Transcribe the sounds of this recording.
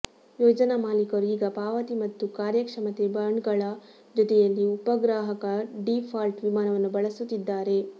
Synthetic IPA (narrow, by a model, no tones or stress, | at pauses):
joːd͡ʒɐnɐmaːlikɐɾuiːɡɐpaːʋɐt̪imɐt̪ːukaːɾjɐkʂɐmɐt̪ebɐɳɖɡɐɭɐ | d͡ʒɔt̪ɛjɐlːiupɐɡɾaːɦɐkɐɖipʰaːlʈʋimaːnɐʋɐnːubɐɭɐsut̪ːid̪ːaːɾe̞